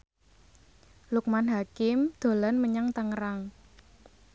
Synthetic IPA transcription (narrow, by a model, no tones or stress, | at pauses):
luk̚manɦakɪmd̪̥o̤lanməɲaŋt̪əŋəɾaŋ